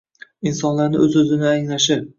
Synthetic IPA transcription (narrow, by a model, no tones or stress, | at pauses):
insɒnlaɾnɪʔɵzɵzɪnɪaŋlaʃɪ